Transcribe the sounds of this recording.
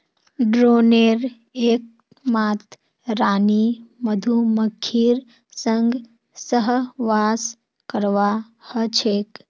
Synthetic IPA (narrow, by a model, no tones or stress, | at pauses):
ɖɾoːneːɾ | eːk̚ | maːt̪ʰ | ɾaːniməd̪ʱuməkʰːiːɾ | səŋɡ | səɦʋaːs | kəɾʋa | hət͡ʃʰeːk